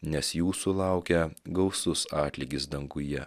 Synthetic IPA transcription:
nʲɛsjuːsʊlˠɑˑʊkʲɛɡɐʊsʊsɑːt̪ʲlʲiɡʲɪs̬d̪ɐŋɡʊjɛ

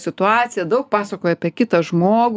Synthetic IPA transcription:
sʲɪt̪ʊɑːt̪sʲɪjɛd̪ɐʊk̚pɑːsɐkoːjɛɐpʲiɛkʲɪt̪ɐʒmoːɡ

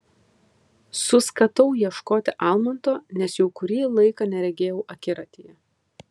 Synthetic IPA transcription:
sʊskɐt̪ɐʊjiɛʃkoːt̪ʲɪʔɑˑlˠmɐnt̪oːnʲɛsjɛʊkʊɾʲiːlˠɐɪkɑnʲɛɾʲɛɡʲeːjɛʊʔɐkʲɪɾɐt̪ʲiːjɛ

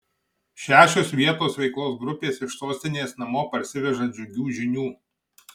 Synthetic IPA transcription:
ʃʲæːʃʲoːsʋʲiɛt̪oːsʋʲɛɪklˠoːs̬ɡɾʊpʲeːsɪʃsoːsʲt̪ʲɪnʲeːsnɐmoːpɐɾʲsʲɪʋʲɛʒɐd͡ʒʲʊɡʲuːʒʲɪnʲuː

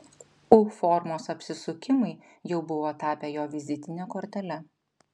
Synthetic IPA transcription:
ufɔɾmoːsɐpʲsʲɪsʊkʲɪmɐɪ | jɛʊbʊʋoːt̪ɑːpʲeːjoːʋʲɪzʲɪt̪ʲɪnʲekoːɾʲt̪ʲɛlʲɛ

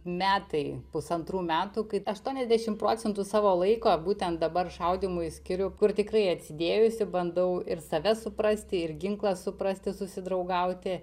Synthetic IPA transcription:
mʲæːt̪ɐɪpʊsɐnt̪ɾuːmʲæːt̪uːkɐɪɐʃt̪uɔnʲɛzʲd̪ʲæʃʲɪmpɾoːt͡sʲɛnt̪uːsɑːʋoːlˠɐɪkoːbuːt̪ʲɛnt̪̚d̪ɐbɐrʃɐʊd̪ʲimʊsʲkʲɪɾʲʊkʊrt̪ʲɪkrɐɪɐt̪ʲsʲɪd̪ʲeːjʊsʲɪbɐnd̪ɐʊɪrsɐʋʲɛsʊpɾɐsʲt̪ʲɪɪɾɡʲɪŋklˠɐssʊpɾɐsʲt̪ʲɪsʊsʲɪd̪ɾɐʊɡɐʊt̪ʲɪ

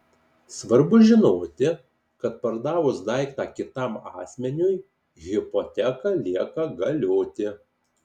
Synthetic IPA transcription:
sʋɐɾbʊʒʲɪnoːt̪ʲɪ | kɐt̪pɐɾd̪ɑːʋʊsd̪ɐɪkt̪ɑːkʲɪt̪ɑˑmɑːsʲmʲɛnʲʊj | ɣʲɪpɔt̪ʲɛkɐlʲiɛkɐɡɐlʲoːt̪ʲɪ

